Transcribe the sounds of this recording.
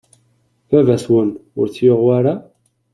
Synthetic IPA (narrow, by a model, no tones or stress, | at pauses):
vævæswənʊ̰ɾt͡sːjoʁwaɾa